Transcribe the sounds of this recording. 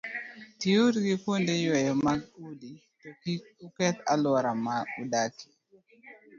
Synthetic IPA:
tiuɾɡikwondejwɛjɔmaɡudi | tɔkiukɛt̪a̰lwɔɾamaudaki̥

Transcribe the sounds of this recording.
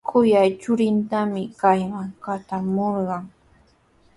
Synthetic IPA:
kʰʊjajt͡ʃʊɾɪnt̪amɪkajmaŋkat͡ʃamoɾɢɑŋ

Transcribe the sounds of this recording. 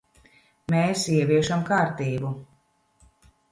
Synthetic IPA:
meːsiɛviɛʃamkaːɾt̪iːbu

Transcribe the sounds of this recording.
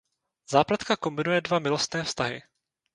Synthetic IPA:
z̥aːplat̪kako̞mbɪnujɛdvamɪlost̪nɛːfst̪aɦɪ̰

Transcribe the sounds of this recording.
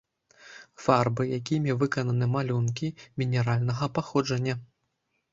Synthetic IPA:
farbɨjakʲimʲɛvɨkɐnɐnɨmalʲunkʲimʲinʲɛɾalʲnɐɣɐpaxɔd͡ʐɐnʲːɐ

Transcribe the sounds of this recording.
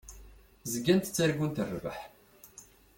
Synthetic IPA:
zəɡːænt̪t͡sːaɾɡunt̪ərːvə̰ħ

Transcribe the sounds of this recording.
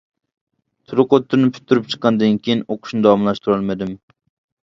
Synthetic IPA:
t̪ʰʊɾʊqot̪ʰːʊɾnɪpʰʊ̥t̪ʰːʊɾɪp̚t͡ʃʰɨ̥qːɑnd̪ankʲʰejinoqʰʊ̥ʃnɪd̪ɑwɑmlˠaʃt̪ʰʊɾɑlˠmad̪ɪm

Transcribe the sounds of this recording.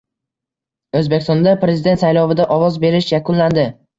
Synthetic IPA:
ɵzbekʲɪ̥st̪ɒnd̪apɾe̞zɪd̪e̞nt̪sajlɒvɪd̪aʔɒvɒzbe̞ɾɪʃjakʰʊnland̪ɪ

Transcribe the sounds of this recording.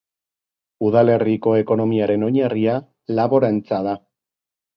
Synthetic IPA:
uðale̞riko̞e̞ko̞no̞miaɾe̞no̞ɲeria | laβo̞ɾaent͡saða

